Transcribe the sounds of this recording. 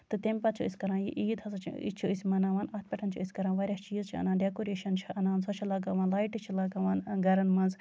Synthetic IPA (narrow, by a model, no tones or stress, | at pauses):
t̪ɨt̪emʲpɐt͡ʃʰuisʲkɐɾãːnjḭʔiːd̪ʰɐzɐt͡ʃʰḭḭt͡ʃʰuisʲmɐnaːʋaːnɐt̪̚ʲpʲɐʈʰɐnt͡ʃʰṵisʲkɐɾãːnʋaːɾʲjaːt͡ʃiːzt͡ʃʰiɐ̰naːnɖekoːɾeːʃɐnt͡ʃʰiɐnaːnsɐt͡ʃʰilɐɡɐʋaːnlaːjʈit͡ʃʰilɐɡɐʋaːnɡɐɾɐnmɐnz